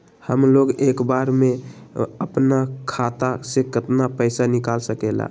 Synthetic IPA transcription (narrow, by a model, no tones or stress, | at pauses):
həmloɡekbaɾmeəpnakʰat̪asekɪt̪napəɪsanikalsəkela̰